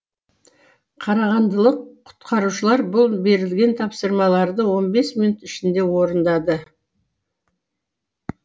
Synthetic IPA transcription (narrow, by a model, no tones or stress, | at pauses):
qʰɑɾɑʁɑnd̪əlˠəqʰːʊ̥t̪qʰɑɾuʃəlˠɑɾbʊlˠbe̞ɾɪlɡʲent̪ʰɑpsəɾmɑlˠɑɾd̪əwo̞nbe̞sminut̪ɪʃɪnd̪e̞wo̞ɾənd̪ɑd̪ə